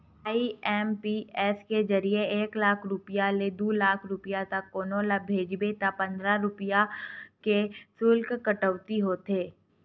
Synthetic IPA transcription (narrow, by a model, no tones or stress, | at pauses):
aːiɛːmpiːɛːsked͡ʒɐɾieeːklaːkʰɾʊpɪjaled̪oːlaːkʰɾʊpijat̪ɐkːoːnõlabʱeːd͡ʒbet̪apɐ̃nd̪ɾaɾʊpɪjakesʊlkkəʈəʋt̪iɦoːt̪eː